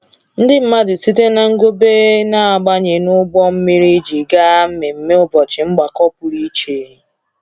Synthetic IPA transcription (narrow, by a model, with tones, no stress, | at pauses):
n̩˦dɪ˦m̩˦ma˦dɪ˨si˦te˦na˨ŋ̩˦ɡo˦beː˦na˦a˨ɡ͡ba˦ɲe˨nʊ˦ɡ͡bɔ˦m̩˦mi˦ɾi˦d͡ʒi˨ɡa˦m̩˦me˨m̩˦me˦ʊ˦bɔ˨t͡ʃɪ˨ŋ͡m̩˦ɡ͡ba˨kɔ˦pʊ˨ɾi˦t͡ʃeː˦